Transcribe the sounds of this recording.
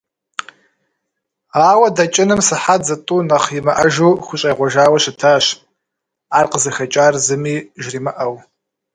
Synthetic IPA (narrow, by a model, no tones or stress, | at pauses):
aːwɐdɐt͡ʃʼɪnɨmsɨħad͡zɐtʼuːnɐχimɐʔɐʒuwχʷʊɕʼɐjʁʷɔʒaːwɐɕɪtʰaːɕ | aːrqəzɐxɐt͡ʃʼaːrzɨmiːʒriːmɐʔɐw